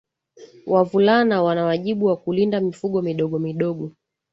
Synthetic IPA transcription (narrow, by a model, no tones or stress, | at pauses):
wʔavulanawanawaʄiɓuwakulindamifuɠɔmiɗɔɠɔmiɗɔɠɔ